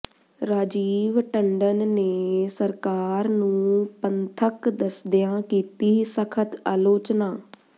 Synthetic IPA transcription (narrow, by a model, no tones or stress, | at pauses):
ɾaːd͡ʒiːʋʈəɳɖənːeːsəɾkaːɾnũːpənt̪ʰəkd̪əsd̪ɪjãːkiːt̪iːsəkʰət̪aːloːt͡ʃnaː